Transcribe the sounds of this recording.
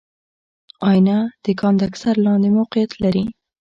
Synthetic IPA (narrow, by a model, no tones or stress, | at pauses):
ɑjnad̪̥əkɑnd̪aksaɾlɑnd̪emawqijat̪laɾi